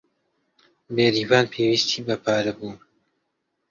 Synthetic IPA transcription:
beːɾiːvaːnpʰewiːst̪ʰiːbɐpʰaːɾɐbuːn

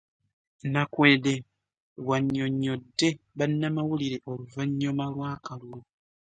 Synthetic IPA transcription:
nakweːde | waɲːoɲːodːeβanːamawuliɾeʔoluvaɲːomalwaːkalulo

